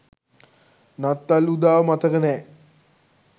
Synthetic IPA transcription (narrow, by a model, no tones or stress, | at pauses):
nɐt̪ːɐlud̪aːʋmɐt̪ɐɣɐne